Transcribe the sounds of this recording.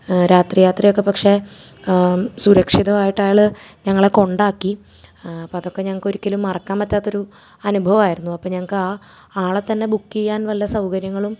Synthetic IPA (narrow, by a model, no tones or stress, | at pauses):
ɾaːt̪rijaːt̪rijokːe̞pɐkʂe̞ | suɾɐkʂiðɐʋaːjiʈːaːjɭɨ | ɲɐŋːɐɭeko̞ɳɖaːkːi | ɐpːoɐðo̞kːe̞ɲɐŋːɐɭko̞ɾukʲːɐlumːɐrɐkːaːnpɐtːaːt̪ːo̞ɾu | ɐnubʱɐʋɐmaːjiɾunːuɐpːoːɲɐŋːɐɭkːɨaː | aːɭet̪ːɐnːe̞bukːijaːnʋɐlːɐsɐwkɐɾjɐŋːɐɭum